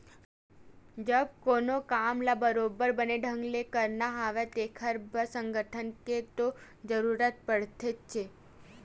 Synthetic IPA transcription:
d͡ʒəb̚konokamlabəɾobəɾbəneɖʱə̃ŋɡlekəɾnaɦaʋet̪ekʰəɾbʱəsəŋɡəʈʰənket̪o | d͡ʒəɾuɾət̪̚pəɽt̪ʰet͡ʃʰe

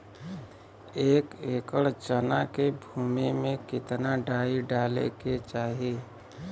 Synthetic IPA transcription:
eːkeːkəɽt͡ʃənakebʱuːmimẽkɪt̪naɖaːiɖaːlḛket͡ʃaːɦie

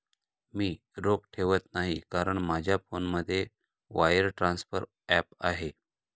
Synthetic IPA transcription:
miː | ɾopʈʰeʋət̪naɦikaɾəɳmad͡ʑʱjafonməd̪ʱːje | ʋajəɾʈɾãnsfəɾ | ɛpa̰ɦe

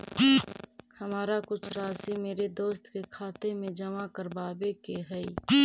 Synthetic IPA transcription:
hɐmaːɾakʊt͡ʃʰɾaːsimeːɾed̪oːst̪kekʰaːt̪emẽd͡ʒɐmakəɾbaːbekeɦɛi

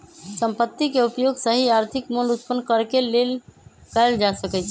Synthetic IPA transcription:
səmpət̪ːikeupjoɡsəɦiaɾt̪ʰikmulut̪pənːkəɾkelelkaɪld͡ʒasəkɛt͡ʃʰ

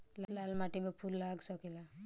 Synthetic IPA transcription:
llalmaʈimepʰulːaɡsɔkela

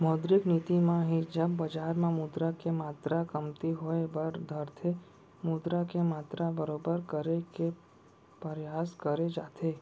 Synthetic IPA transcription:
mɔːd̪ɾɪkniːt̪imãɦid͡ʒəbːɐd͡ʒaːɾmẽmud̪ɾakemaːt̪ɾakəmt̪iɦoebəɾd̪ʱəɾt̪ʰe | mud̪ɾakemaːt̪ɾabəɾoːbəɾkəɾeke | pəɾjaːskəɾed͡ʒaːt̪ʰeː

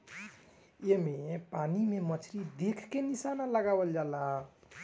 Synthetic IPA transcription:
jemepanimemət͡ʃʰɾid̪ekʰkenisanaləɡabəld͡ʒala

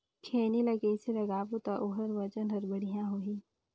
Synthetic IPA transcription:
kʰeːnilɐɡeɪselɐɡaːbut̪aʔoɦəɾʋɐt͡ʃənɦɐɾbɐɽ̤ijãɦoiː

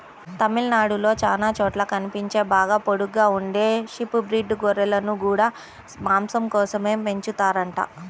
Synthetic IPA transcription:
t̪ɐmilnaːɽulo̞ːt͡ʃaːlaːt͡ʃɔːʈlɐkɐnipiɲt͡ʃe̞ːbaːɡaːpoɽuɡːaːuɳɖe̞ːʂipubɾiːɖɡɔɾɐlɐnuɡuːɽaː | maːmsɐmkɔːsɐme̞ːpe̞ɲt͡ʃut̪aːɾɐɳʈa̰ː

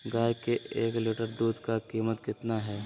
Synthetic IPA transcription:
ɡaːjkeʔeːklɪʈəɾd̪uːd̪kakiːmət̪kɪt̪naɦɛː

